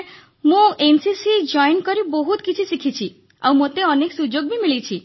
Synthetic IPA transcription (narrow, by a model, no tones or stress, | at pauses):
mũensisid͡ʒɔjnkɔɾibɔɦut̪kit͡ʃʰisikʰit͡ʃʰi | a̰wmot̪eɔneksud͡ʒoɡbʱimilit͡ʃʰi